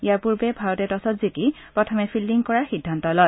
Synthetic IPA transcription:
ijaɹpuɹbɛbʱaɹɔtɛtɔsɔtziki | pɹɔtʰɔmɛpʰilːiŋkɔɹaɹxidʱːantɔlɔj

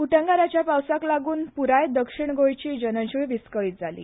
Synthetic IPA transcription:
uʈə̃ŋɡaɾat͡ɕjapawsaklaɡuːnpuɾajd̪əkʂiɳɡojt͡ɕiːd͡ʑənət͡ɕuʋiskəit̪̚d͡zʱalḭː

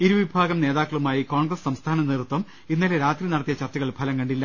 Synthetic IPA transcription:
iɾuʋibʱaːɡɐmne̞ːðaːkːɐɭumaːjiko̞ːɳɡrɐssɐmst̪ʰaːnɐneːrt̪ːwɐm | inːɐleɾaːt̪rinɐɽɐt̪ːijɐt͡ɕɐrt͡ɕːɐɣɐɭpʰɐlɐmkɐɳɖilːɐ

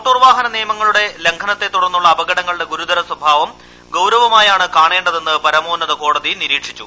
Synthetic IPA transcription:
t̪ːuːrʋaːɦɐnɐniːɐmɐŋːɐɭuɽe̞le̞ŋkʰɐnɐt̪ːe̞t̪ːuɽɐrnːuɭːɐːbɐɡɐɽɐŋːɐɭɽe̞ɡuɾud̪ɐɾɐswɐbʱaːʋɐm | ɡɐwɾɐʋɐmaːjaːɳɨkaːɳe̞ːɳɖɐðe̞nːɨpɐɾɐmoːnɐðɐko̞ːɽɐðiniɾiːʈʂit͡ɕːu

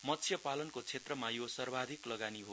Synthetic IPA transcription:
mʌt̪t͡sʰjʌpalʌnkot͡sʰet̪rʌmajosʌrbʱad̪ʱiklʌɡaniɦo

